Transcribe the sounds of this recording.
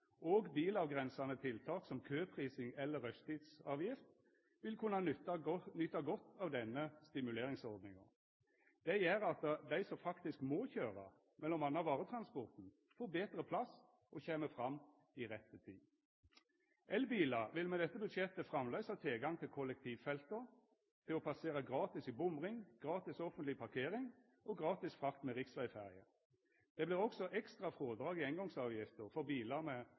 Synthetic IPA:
ʔoːɡbiːlɑʋɡʁɛnsɑnət̪ʰɪlt̪ʰɑːt̪sɔmkʰøːpʰʁiːsɪŋɛlːəɾœst̪iːd̪sɑːʋjɪft̪ | ʋɪlkʰʉnːɑ | nʏt̪ːɑɡɔt̪ːɑːʋd̪ɛnːəst̪ɪmʉleːɾɪŋsɔɾd̪nɪŋɑ̰ | d̪̥ɛjæɾɑt̪d̪æɪsɔmfɑkt̪ɪskmɔçøːɾɑ̰ | mɛlːɔmɑnːɑʋɑːʁət̪ʰɾɑnspɔʁt̪n̩ | fɔːbeːt̪ɾəpʰlɑs | ʔɔçeːməfɾɑmː | iʁɛt̪ːət̪ʰɪ | ʔɛlbiːlɑʋɪlmɛd̪ɛt̪ːəbʉd̪ʃjɛt̪ːəfʁɑmlœʏsɑt̪ʰɪlɡɑŋt̪ʰɪlkʰɔlːɛk̚t̪ʰiːʋfɛlt̪əʁ | t̪ʰɪlɔpʰɑseːʁɑɡʁɑːt̪ɪsibʊmʁɪŋɡ̥ʁɑːt̪ɪsɔfənt̪lɪpʰɑʁkʰeːʁɪŋ | ʔɔɡʁɑːt̪ɪsfʁɑkt̪mɛʁɪksʋœɪfæʁɪə | d̪̥ɛblɪːʁɔksɔʔɛkst̪ʁɑfʁoːd̪ʁɑːɡɪɛŋɡɔŋsɑːʋjɪft̪əʁfɔʁbiːlɑmɛ

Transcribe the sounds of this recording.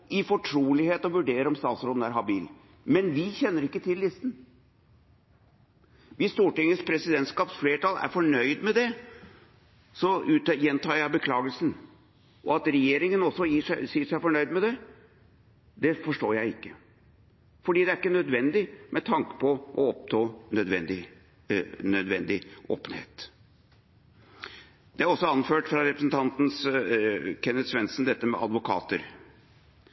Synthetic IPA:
ɪfɔʈʰɾuːlɪheːt̪ɔʋʉɖeːɾɔmst̪ɑːt̪sɾoːd̪n̩æɾɦɑbiːl | mɛnʋɪçɛnːəɾɪkːət̪ʰɪlːɪst̪n̩ | ʋɪsst̪uːʈɪŋːəspʰɾɛsɪd̪ɛnt̪skɑːpsfleːʈɑlæ̰ɾfɔɳœʏd̪mɛd̪ɛ | sɔʉːt̪jɛnt̪ʰɑːɾjæɪbəkʰlɑːɡəlsən̩ | ʔɔɑt̪ɾɛjeːɾɪŋənɔsːɔjiːʂæɪsiːʂæɪfɔɳœʏd̪mɛd̪ɛ | d̪ɛfɔʂʈoːɾjæɪɪkːə | fɔɖiːd̪ɛæɾɪkːənœd̪ʋɛnd̪ɪmʔɛt̪ʰɑŋkə̥pʰɔʔɔɔpt̪ʰɑːnœd̪ʋɛ̰nd̪ɪ | nœd̪ʋɛnd̪ɪʔo̰ːpənhḛːt̪ | d̪̥ɛæɾɔsːɔɑnføːʈfɾɑɾɛpɾəsənt̪ʰɑnt̪n̩s | kʰɛnːət̪sʋɛnsnd̪ɛt̪ːəmɛ̰ʔɑd̪ʋʊkʰɑ̰ːt̪ə̰ɾ

